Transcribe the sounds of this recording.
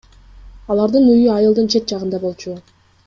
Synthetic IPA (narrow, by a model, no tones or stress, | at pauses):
ɑlˠɑɾd̪ɯnyjyɑjɯlˠd̪ɯnt͡ʃʰe̞t̪̚d͡ʒɑʁɯnd̪ɑbo̞lˠt͡ʃu